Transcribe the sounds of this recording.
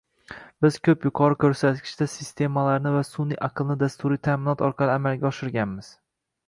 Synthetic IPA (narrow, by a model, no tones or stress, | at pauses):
bɪz̥kʲʰɵpjʊqʰɒɾɪkʲʰɵɾsat̪̚kʲʰɪ̥ʃt̪asɪst̪ʰe̞malaɾnɪvasʊniʔaqʰɨlˠnɪd̪ast̪uɾit̪ʰaːmɪnɒt̪ʰɒɾqʰɑlˠɪamalˠɡʲaɒʃɪɾɡʲanmɪz̥